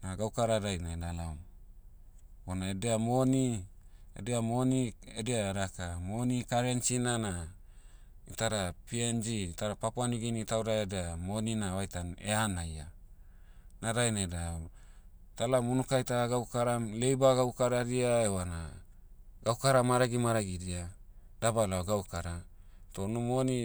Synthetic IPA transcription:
naɡawkaɾaɾajnaedalam | onaedeamoniḛdeamoniedeaɾakamonikaɾensinana | itaɾapiend͡ʒiitaɾapapoaniɡinitawɾaedeamoninaβajtanḛanaja | naɾajnada | talamunukajtaɾaɡawkaɾamle̞jbaɡawkaɾaɾiaewana | ɡawkaɾamaɾaɡimaɾaɡiɾia | dabalaɡawkaɾatonumoni

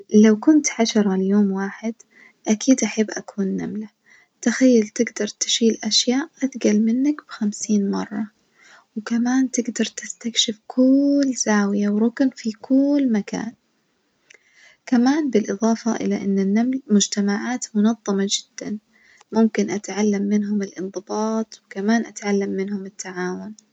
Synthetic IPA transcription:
lawkʊnt̪ħaʃɑɾˤɑlɪjoːmwaːħɪd̪ | ʔakʰiːd̪ʔaħabːʔakʰuːnːa̰mla | t̪axajːalt̪ɪɡd̪ɑɾˤt̪ɪ̥ʃiːlʔaʃjaːʔʔat̪ɡalmɪnːakb̥ɪxamsiːnmɑrˤːɑ | wkamaːnt̪ɪɡd̪ɑɾˤt̪ɪst̪akʃɪfkʰʊlːz̥aːwɪjawɾʊknfikʰʊlːmaka̰ːn | kamaːnbɪlʔɨðˤɑːfɑʔɪ̰laʔɪ̰nːanːamlmʊd͡ʒt̪amaʕaːt̪mʊnɑðˤːɑmɑd͡ʒɪd̪̥ːa̰n | mʊmkɪnʔat̪ʕalːamːɪnɦʊmɪlʔɨnðˤɨbɑːt̪ˤwɪkamaːnʔat̪ʕalːamːɪnhʊmɪt̪ːaʕaːwʊn

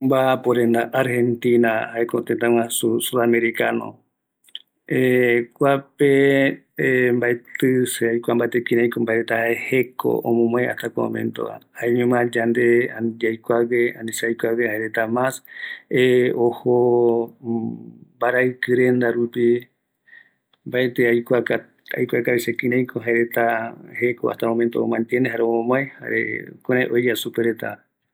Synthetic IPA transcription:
mbapoɾend̪aʔaɾhent̪ĩnahaekot̪ent̪ãw̃ãsusuðameɾikano̰ | ekʷape | mbaet̪ɨseajkʷambat̪ekĩɾãjkombaeɾet̪ahaehekʰo̰ʔõ̰mõmõeʔa̰ht̪akõ̰mḛ̃nt̪o̰a̰aeɲẽmãd͡ʒand̪ead͡ʒajkʷaweãnĩsajkʷawehaeɾet̪amaseoho | baɾaɨkɨɾe̞nd̪aɾupi | mbaet̪eajkʷaa | a̰jkʷakaβisekĩɾãjkʰoɦaeɾet̪ahekoa̰ht̪amõmẽnt̪o̰omãnt̪jeneɦaɾeomõmõeha̰ɾḛkuɾ̃ãẽʔojjasupeɾet̪a̰

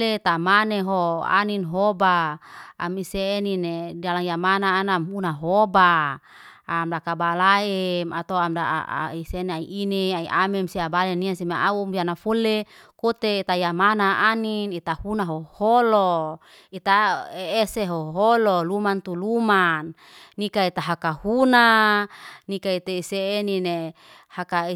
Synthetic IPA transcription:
let̪amaneɦoa̰ninɦobaa̰miseːninedalaŋjamanaːnamunaɦoba | amdakabalaemat̪oamda̰isenaiʔineaiʔamemsiabaleniasimaʔaumbianafolːe | kot̪eit̪ajamanaʔaninit̪ahunaɦoholo | it̪aeeseɦoɦololumant̪ulumanː | ikait̪aɦakahuna | nikait̪eiseːnine | hakai

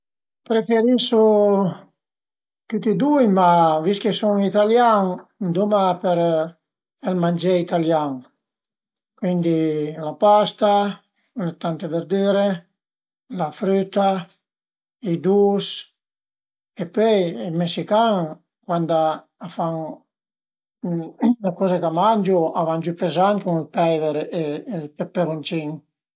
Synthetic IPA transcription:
pɾefeɾisu | t̪ut̪id̪ujmaviskesuŋit̪aljaŋnd̪umapɛɾ | ɛlmand͡ʒɛit̪aljaŋ | kwind̪ilapast̪a | let̪ant̪eveɾd̪yːɾe | lafɾyt̪a | id̪us | epøjilmesikaŋ | kwand̪a | afaŋ | lakɔzakamand͡ʒuavand͡ʒypezaŋkuŋilpɛveɾepepeɾunt͡ʃiŋ

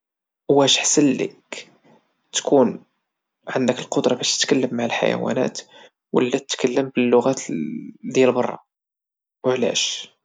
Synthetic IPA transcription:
wæʃħsəlːə̰k | t̪kun | ʕənd̪əkəlqod̪ɾˤɑbæʃt̪ət̪kælːəmːaʕəlħa̰jæ̰wæ̰næ̰t̪ | wə̰lːæt̪ət̪kælːəmbəlːʊɣæt̪d̪jælbɑrˤːɑ̰ | wəʕlæ̰ʃ

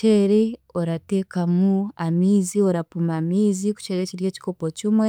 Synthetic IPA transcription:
eɾeoɾate̞ːkamuamiːzio̞ɾapumamiːziku̥t͡ʃeɾeciɾje̞ːci̥kopocimwe

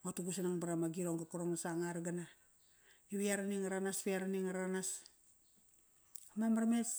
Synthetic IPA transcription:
otuɡusanaŋbaɾamaɡiɾoŋɡakoɾoŋnasaŋaɾɡana | jiβiaɾaniŋaɾanasβiaɾaniŋaɾanas | amamaɾmes

